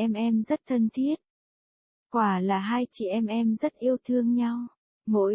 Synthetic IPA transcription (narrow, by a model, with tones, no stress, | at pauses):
ʔɛ˧mʔɛ˧mzə˦˥t̚t̪ʰə˧nt̪ʰi˦˥ət̚ | kwaː˧˩laː˨˩ɦaː˧jt͡ɕi˧˨˩ʔɛ˧mʔɛ˧mzə˦˥t̚ʔi˧əwt̪ʰɨ˧əŋɲa˧w | mo̰˧˥